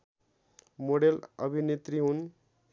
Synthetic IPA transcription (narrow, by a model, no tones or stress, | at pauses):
moɽelʌ̰bʱinet̪ɾiɦun